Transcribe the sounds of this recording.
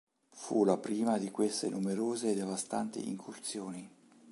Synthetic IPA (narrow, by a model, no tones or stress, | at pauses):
fṵlapɾiːmad̪ikwest̪ḛnumeɾoːzed̪evast̪ant̪ḭʔḭŋkʰurt̪sjoːni